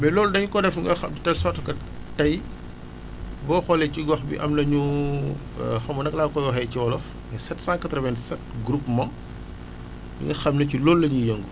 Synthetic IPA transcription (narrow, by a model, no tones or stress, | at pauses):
bɛlɔːldɐɲukɔdɛfŋɡɐxɐmditɛlsɔrtkɐ | tɐj | bɔːxɔlɛciɡɐxbḭʔɐmlɐɲṵ | xɐmunɐklakɔjɔɦɛjciwɔlɔf | mɛsɛtsãŋkɐtɾɔvɛnsɛt̚ɡɾupmã | bḭŋɡɐxɐmnɐculɔːlːɐɲijɐŋɡu